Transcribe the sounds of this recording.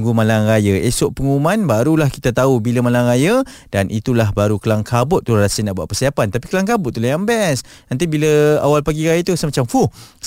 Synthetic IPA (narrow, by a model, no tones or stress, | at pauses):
ŋɡumãlaŋrajaesɔʔpəŋumanbaɾulahkit̪at̪aubiləmalaŋɾajə | d̥anʔit̪ulaɦbaɾukəlaŋkʰabʊt̪̚ːurasənaʔbua̰ʔ̚pərsiapant̪api̥kəlaŋkabʊt̪̚ːulajambɛsnãnt̪̬ibiləa̰walpaɡiɾajat̪usəmat͡ʃamfu